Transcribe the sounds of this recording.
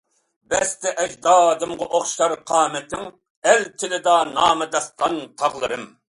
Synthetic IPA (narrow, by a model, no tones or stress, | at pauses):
bɛst̪ɛʔɛʒd̪ɑːd̪ɨmʁɑʔoχʃɑɾqʰɑːmɛt̪ʰɪŋ | ɛlt̪ʰɪlɪd̪ɑnɑːmɨd̪ɑsqɑnt̪ʰɑʁlˠɨɾɨm